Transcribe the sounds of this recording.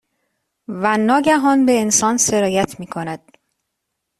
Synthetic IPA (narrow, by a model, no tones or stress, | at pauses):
vænːɒːɟæɦɒnbe̞ensɒːnse̞ɾɒːjæt̪ʰmiːkʰo̞næd̪̥̚